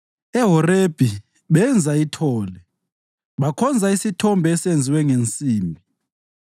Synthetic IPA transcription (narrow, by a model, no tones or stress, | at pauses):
ɛɦɔreb̥ʱi | βɛnd͡zʱaitʰɔːlɛ | βakʰɔnd͡zʱaisitʰɔmbʱɛːsend͡zʱiwɛŋent͡sʼiːmbʱi